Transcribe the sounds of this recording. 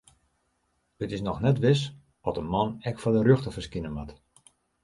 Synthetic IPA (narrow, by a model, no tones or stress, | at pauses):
ətɪsnɔxnɛtʋɪs | ɔtəmɔnɛkfɔdəɾøxtəfərskinənmʋat